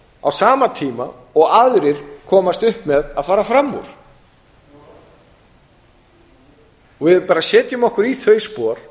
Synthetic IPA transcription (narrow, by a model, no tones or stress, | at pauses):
a̰wsaːmat̪ʰiːma̰ | ɔɣaðɾɪɾ̥kʰɔːmast̪ʏhpmɛðaðfaːɾafɾamːṵɾ̥ | ɔvɪðpaːɾasɛːt̪jʏmɔhkʏɾiθœɥspɔːɾ̥